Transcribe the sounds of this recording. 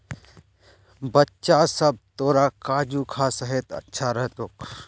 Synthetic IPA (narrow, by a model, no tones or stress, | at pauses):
bɐtːʃasɐb̚t̪oːɾakaːd͡ʒuːkʰasəɦet̪ɐ̰tːʃʰaɾɐɦt̪oːk